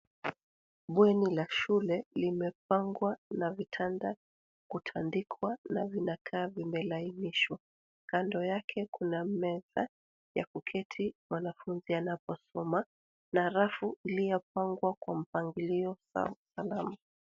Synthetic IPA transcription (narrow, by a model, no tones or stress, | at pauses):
ɓwɛnilaʃulɛlimɛp̚aŋɡwanavitʰanda | kutʰandikʰwanavinakʰaːvimɛlainiʃwa | kandɔjakʰɛkunamɛza | ja̰kukʰɛtʰimwanafunzianapɔsɔma | naɾafuilijɔpaŋɡwakwam̩paŋɡiliɔ̰ | salama